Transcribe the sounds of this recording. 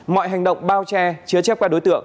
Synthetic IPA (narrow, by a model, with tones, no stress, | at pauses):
mɔ̰˧˨jɦa˨˩jŋ̟ɗə̰˧˨wŋ͡mɓaː˧wt͡ɕɛ˧t͡ɕɨ˨˦ət͡ɕɛ˦˥kaː˧˥ɗo˨˦jt̪ɨ̰˧˨əŋ